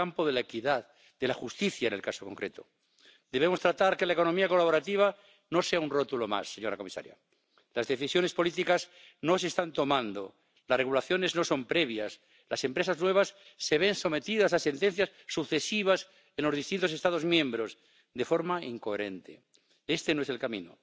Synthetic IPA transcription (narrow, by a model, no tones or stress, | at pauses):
ampoðelaekiðað | d̪e̞laxust̪iθjaene̞lkasoko̞ŋkɾe̞t̪o̰ | d̪e̞βe̞mo̞st̪ɾat̪aɾke̞laeko̞nomiako̞laβo̞ɾat̪iβ̞a | no̞se̞aunrot̪ulo̞ma̰sːe̞ɲo̞ɾako̞misa̰ɾja̰ | lazðe̞θisjo̞ne̞spo̞lit̪ikas | no̞seːst̪ant̪o̞mãnd̪o̰ | lazreɣulaθjo̞ne̞zno̞so̞mpɾe̞βjas | lase̞mpɾe̞saznwe̞β̞asːe̞βe̞nso̞me̞t̪iðasase̞nt̪en̟θjasːuθesiβ̞as | enlo̞zð̞ist̪int̪ose̞st̪aðo̞zmjẽ̞mbɾo̞z | d̪e̞fo̞ɾmaiŋko̞eɾe̞̰nt̪ḛ | e̞st̪enoeselkamḭ̃no̰